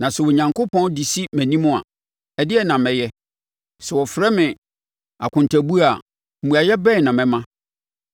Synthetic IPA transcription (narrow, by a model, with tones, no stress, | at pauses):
nã˨sɛ˨wo˨ɲã˨ŋko˦pʰɔ̃˦ndi˨si˦mæ̃˨nĩ˦mʊ̃˦a̰˨ | ɛ˦dɪ˦ɛ˦nã˨mɛ̃˨jɛ˦ | sɛ˨wɔ˨fɾɛ˦mɪ̃˨ | a̰˨kʰʊ̃˨ntʰæ˨bu˦a˨ | m̩˨ũ˨a˨jɛ˦bɛ˦˨nã˨mɛ̃˨mã˦